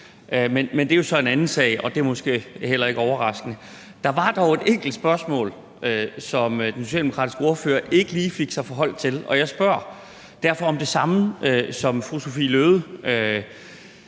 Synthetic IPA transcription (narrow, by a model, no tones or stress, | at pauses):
ʔømenmend̥e̝jo̝sɒ̽e̝nænn̩sɛ̰ɪɒ̽d̥e̝ɐmɔ̽sɡ̥e̝̰ːhel̰ɐe̝ɡ̥əɒʊɐʁɑ̈sɡ̥ənə | d̥ɑ̈ʋɑ̈d̥ɑ̈ʊe̝d̥eŋ̰ɡ̥l̩d̥sb̥ɶɐsmɔ̰̽ːl | øsɒ̽md̥enso̝ɕɛ̰ːldemokʰɑ̰d̥isɡ̥əo̝ɐfø̰ːɐʔe̝ɡ̥əliːfe̝ɡ̥sɑ̈ɪfɒɦɒ̽l̰t͡sʰe̝lɒ̽jɑ̈ɪsb̥ɶɐ̰ | d̥æɐ̰fɒ̽ɒ̽md̥e̝sɑ̈məøsɒ̽mfʁuso̝fḭːløːð̞ˠəø